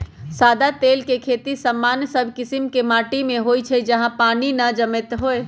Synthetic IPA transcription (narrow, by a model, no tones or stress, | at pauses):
sad̪at̪eːlkekʰet̪isəmːansəbʱkɪsimkemaːʈimẽɦojt͡ʃʰəd͡ʒəɦãpaːninəd͡ʒəmet̪ɦoe